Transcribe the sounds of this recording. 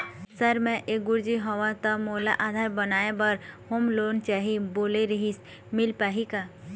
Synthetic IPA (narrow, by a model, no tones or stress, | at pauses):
səɾmɛ̃ʔeɡʊɾd͡ʒiɦɔʋãt̪ɔmoːlaʔaːd̪ʱaːɾbənaːebəɾhomloːnt͡ʃaːɦiboːleɾəɦis | mɪlpaːɦika